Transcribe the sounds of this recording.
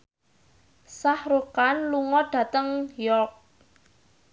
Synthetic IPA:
sahɾukanluŋɔɖ̥ä̤t̪əŋjɔk̚

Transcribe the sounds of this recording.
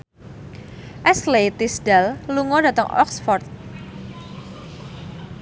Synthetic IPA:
ʔɛslet̪isdɛlluŋɔdä̤t̪əŋɔ̰ksfɔrt̪̚

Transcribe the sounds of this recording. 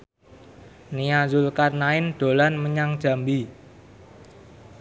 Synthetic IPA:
niazʊlkarnaɪnɖ̪̥o̤lanməɲaŋd̥ʒ̥a̤mbi

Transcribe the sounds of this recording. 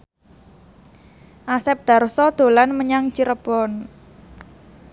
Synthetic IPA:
ʔasɛp̚d̪̥ä̤rsɔd̪̥o̤lanməɲaŋt͡ʃiɾəb̥ɔn

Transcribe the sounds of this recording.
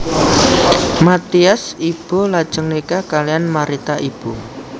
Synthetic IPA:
mat̪iasib̥olad̥ʒ̥əŋnikakalijanmaɾit̪aʔib̥o

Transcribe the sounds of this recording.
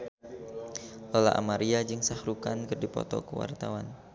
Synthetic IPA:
lɔla̰ʔamaɾiad͡ʒɨŋsahɾukankɨərdipɔ̰t̪ɔkəwa̰rt̪awan

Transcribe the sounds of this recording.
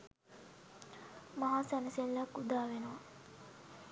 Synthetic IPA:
maɦaːsænəselləkud̪aːʋenəʋa

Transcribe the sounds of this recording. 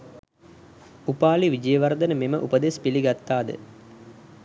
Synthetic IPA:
upaːliʋid͡ʒəjəʋard̪ənəmeməʔupəd̪espiliɡat̪ːaːd̪ə̰

